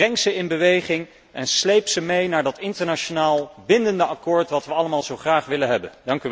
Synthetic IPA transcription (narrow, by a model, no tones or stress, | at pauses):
rɛŋksəɪnbəʋejχɪŋ | ʔɛnslejpsəmejnaːɹdɑtɪntəɹnaʃonaːlˠbɪndəndəɑkʊːɹtʋɑtʋəɑləmaːlˠzowχraːχʋɪlənɦɛbə̰ndɑŋky